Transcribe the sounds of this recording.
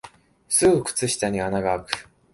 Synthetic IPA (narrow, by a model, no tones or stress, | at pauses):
sɨɡɯkɯ̟̥t͡sɨɕi̥t̪aɲ̟ianaɡaːkɯ̟̥